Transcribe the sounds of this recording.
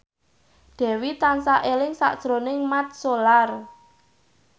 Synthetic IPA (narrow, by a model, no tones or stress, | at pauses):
d̪̥ɛ̤wit̪ansaʔelɪŋsa̰ʔd̥ʒ̥ɾonɪŋmat̪̚solar